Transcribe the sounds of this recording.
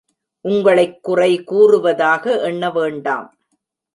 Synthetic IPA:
ʔʊŋɡɐɭɐɪkːʊrɐɪkuːrɯʋɐðaːɣɐʔɛɳːɐʋeːɳɖa̰ːm

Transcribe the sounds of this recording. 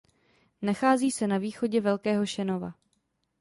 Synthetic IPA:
naxaːziːsɛnaviːxo̞ɟɛvɛlkɛːɦo̞ʃɛno̞va̰

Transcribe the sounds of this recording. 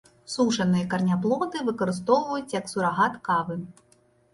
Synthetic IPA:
suʂɐnɨjɐkɐrnʲaplˠɔd̪ɨvɨkɐɾɨst̪ɔwvɐjut͡sʲjɐksuɾaɣat̪kavɨ

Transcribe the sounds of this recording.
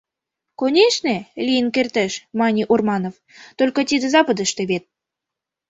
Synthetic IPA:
konʲeʃnĕlʲijənkert̪ĕʃmɑnʲiʔurmɑnof | t̪olʲkɤ̆t̪ʲid̪ĕzɑpə̆d̪ə̆ʃt̪ĕβet̪̚

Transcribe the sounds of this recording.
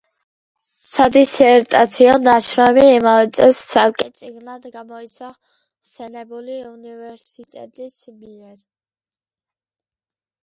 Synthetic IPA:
sad̪isɛɾt̪ʼat̪sʰiɔnaʃʰɾɔɛmiːmavɛt̪sʼɛstsʰalkʼɛt̪sʼiɡnlad̪ɡamɔit̪sʰa | sɛnɛbuliunivɛɾsit̪ʼɛ̰t̪ʼismiɛɾi

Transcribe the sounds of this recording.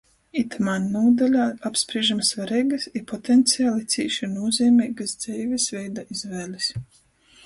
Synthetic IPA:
it̪manːuːd̪alʲaːapspɾiɛʒamsvaɾɛjɡasipɔt̪ɛnt̪sijaːlˠit̪sʲḭːʃinuːzʲɛːmʲɛːɡasd̪z̥ɛjvʲisvɛjd̪aʔizvɛːlis

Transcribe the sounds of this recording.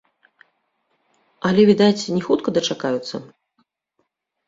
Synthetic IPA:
ɐlʲɛvʲid̪at͡sʲnʲɛxut̪kɐd̪ɐt͡ʂakajut̪sːɐ

